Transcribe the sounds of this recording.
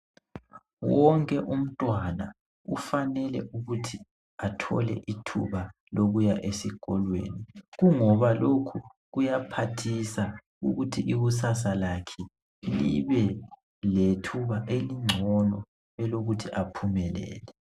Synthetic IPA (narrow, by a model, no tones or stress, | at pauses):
wɔŋkʼɛʔum̩tʼwana | ufanɛlɛ̰ʔuɣutʰi | atʰɔ̰lɛ̰ʔitʰṵβa | loɣujaʔesiɣʼɔlwḛːniɣuŋɔβalokʰu | ɣujapʰatʰisa | ṵɣutʰiʔiβusasalakʰɛ | lḭβɛ | letʰuβaʔeliŋ͡ǀʱɔnɔ | ɛloɣutʰiʔapʰumɛlɛ̰ːlɛ